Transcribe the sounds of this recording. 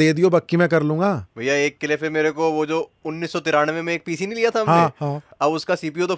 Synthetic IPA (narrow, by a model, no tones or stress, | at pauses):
eːd̪ijobɐkːimɛ̃kɐɾlũːŋɡaːbʱɐjaeːkːɪlepʰeɾmeːɾekoʋod͡ʒoːʊnːiːsːɔt̪ɪɾaːnʋẽmẽeːk̚piːsinĩlijat̪ʰamɦaẽɦãːɐbʊskasiːp̬iot̪̬o